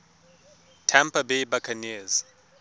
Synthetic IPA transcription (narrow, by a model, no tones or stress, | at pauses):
tʰɛmpabejbakʰaniz